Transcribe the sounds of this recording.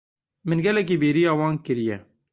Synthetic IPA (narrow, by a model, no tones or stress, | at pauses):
mɨnɡɛlɛk̬iːbeːɾijɑːwɑːnkɨɾijɛ